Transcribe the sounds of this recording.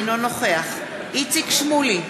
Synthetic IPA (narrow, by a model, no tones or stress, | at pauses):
nonoχe̞aχ | it͡sikʃmuli